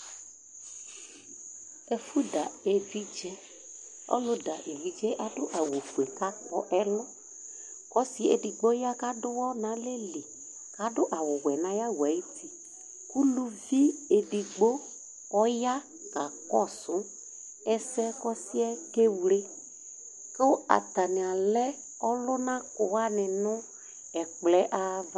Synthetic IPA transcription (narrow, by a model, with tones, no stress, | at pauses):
e˨fu˦da˨e˨vi˦d͡ʒɛ˦ | ɔ̰˦lʊ˦da˨ʔe˨vi˨d͡ʒɛ˦ʔa˨dʊ˦ʔa˨wo˨fu˨e˨ka˦k͡pɔ˦ʔɛ˦lʊ˦ | kɔ˦si˦e˨di˨ɡ͡bo˦ja˦ka˦dʊ˦wɔ˦nã˨˦le˦li˨ | ka˨˦dʊ˦ʔa˨wʊ˨wɛ˨nã˨˦ja˦wu˨a˨i˦ti˨ | ku˦lu˦vi˦e˨di˨ɡ͡bo˦ | ɔ˦ja˦ | ka˨kɔ˦sʊ˨˦ | ɛ˦sɛ˦kɔ˦sɪ˦ɛ˦ke˦wle˦ | ke˦a̰˨ta˨nɪ˨a˨lɛ˦ | ɔ˦lʊ˦nã˦kʊ˨wa˦nɪ̃˨nʊ̃˦ | ɛ˨k͡plɛ˨˦ʔa˨v